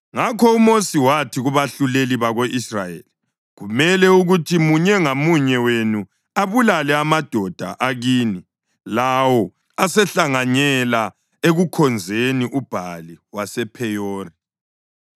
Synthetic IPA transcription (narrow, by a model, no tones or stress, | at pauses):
ŋakʰɔumosiwatʰiɣuβaɬuleliβaɣoʔisrajḛːli | ɣumɛlɛuɣutʰimuɲɛŋamuɲɛwenu | aβulalɛamad̥ʱɔd̥ʱa̰ʔaɣiːni | lawɔ | asɛɬaŋaɲɛla | eɣukʰɔnd͡zʱeniʔub̥ʱaliwasɛpʰɛjoːri